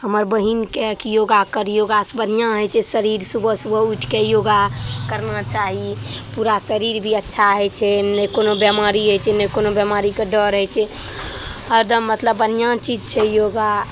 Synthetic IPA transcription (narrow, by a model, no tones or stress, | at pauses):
ɦəməɾbəɦinkekijoɡakəɾjoɡasbənijãɦɛt͡ʃʰɛsəɾiɾsubʱəsubəuʈʰkejoːɡakəɾnat͡ʃaɦipuɾasəɾiɾbʱiətːʃʰaɦɛt͡ʃʰɛnəkonobjəmaɾiɦət͡ʃʰɛnəkonobjəmaɾikeɖəɾɦɛt͡ʃʰɛ | əɾd̪ʱəmːət̪ləbənijãt͡ʃid͡ʒt͡ʃʰɛjoɡa